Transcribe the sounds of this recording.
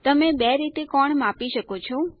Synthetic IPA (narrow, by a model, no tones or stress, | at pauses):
t̪əmebɛɾit̪ekɔɳmapiʃəkot͡ʃʰo